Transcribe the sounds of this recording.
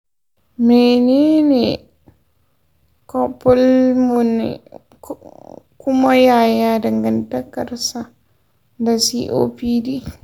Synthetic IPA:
mɛne˦nɛ | kɔpːɔ˦lmun̰ | ku˦ma˦ja˨ja˦da˨ŋɡa˨nta˦kːaɾsa | ndasḭʔo̰pi˦di˦

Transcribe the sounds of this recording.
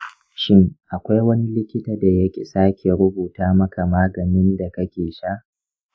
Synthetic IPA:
ʃɪ˦ŋʔa˨kʷa˦jwɐ˦ni˦lɪ˦kʲɪ˦taː˨da˨jɐ˦kʲḛ˨saː˦kʲʰe˨ɾʊ˦buː˨taː˦mɐ˦ka˨maː˦ɡɐ˨nɪ˦nda˨kɐ˦kʲeː˨ʃa˦ʔ

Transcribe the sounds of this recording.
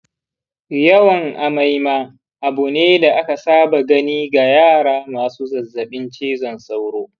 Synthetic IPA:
jɐ˦wɐ˨ŋʔa˨ma˦jmaː˦ | ʔa˨bu˨neː˦da˨ʔa˦ka˨saː˦ba˨ɡɐ˦niː˦ɡa˨jaː˦˨ɽaː˦maː˨suː˦zɐ˨zːɐ˨ɓɪ˦nt͡ʃeː˦zɔ˨nsa˦wɽoː˦

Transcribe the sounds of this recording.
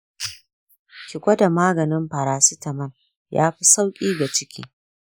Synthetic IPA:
kʲɪ˨kʷʼɐ˦da˨maː˦ɡɐ˨nɪ˦mɸɐ˨ɾaː˨si˦tɐ˨mɐ˦n | ja̰ː˦ɸi˦sa˦wkʲʼiː˦ɡa˨t͡ʃɪ˦kʲḭː˦

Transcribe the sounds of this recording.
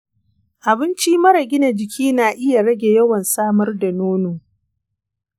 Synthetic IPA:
ʔa˨bɪ˦nt͡ʃiː˦mɐ˦ɾɐ˨ɡʲɪ˦na˨d͡ʒɪ˨kʲʰiː˦naː˨ʔɪ˦ja˨ɽɐ˦ɡʲe˨jɐ˦wɐ˨nsaː˦mɐ˦rda˨noː˦noː˨

